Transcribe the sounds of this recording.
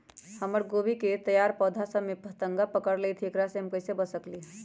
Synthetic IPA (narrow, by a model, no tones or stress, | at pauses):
həməɾɡobiket̪əjaɾpɔːd̪ʱasəmepət̪əŋɡapəkəɾlet̪ʰiekɾaseɦəmkəɪsebəsəkli